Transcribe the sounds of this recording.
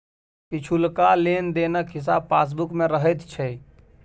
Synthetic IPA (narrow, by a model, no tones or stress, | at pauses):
pit͡ʃʰulkalend̪enəkɦɪs̬abpas̬bukmẽɾəɦɛjt̪t͡ʃʰɛ